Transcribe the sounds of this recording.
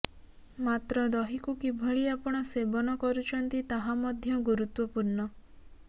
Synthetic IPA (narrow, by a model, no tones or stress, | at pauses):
mat̪ɾɔd̪ɔɦikukibʱɔɭiapɔɽ̃ɔsebɔnɔkɔɾut͡ʃʰɔnt̪it̪aɦamɔd̪ʱjɔɡuɾut̪wɔpuɾnɔ